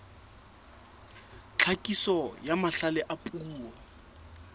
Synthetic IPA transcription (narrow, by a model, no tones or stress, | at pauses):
t͡ɬʰakʼisɔjamaɬalɛʔapʼuːɔ